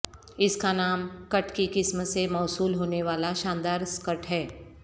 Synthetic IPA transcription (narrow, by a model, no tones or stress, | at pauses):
ɪskanaːmkɐʈkikɪsmsemɔːsuːlɦoːneʋaːlaʃãːnd̪aːɾskəʈɦɛː